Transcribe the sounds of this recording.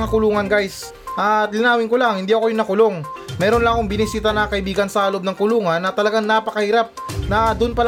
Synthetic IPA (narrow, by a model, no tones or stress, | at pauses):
ŋakʊluːŋɐnɡajs | ʔalɪnaːwɪŋkolaŋhɪnd̪iːʔɐkojʊnɐkʊlo̞ŋmɛːɾonlɐŋɐko̞ŋbɪnɪsiːt̪ɐnɐkɐʔɪbiːɡɐnsɐhɐlo̞b̚nɐŋkʊluːŋɐnːɐt̪ɐlɐɡaŋnapɐkɐhɪɾap̚nɐd̪ʊnpɐl